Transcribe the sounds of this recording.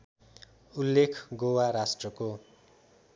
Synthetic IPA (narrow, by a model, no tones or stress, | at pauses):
ulːekʰɡowaɾasʈrʌko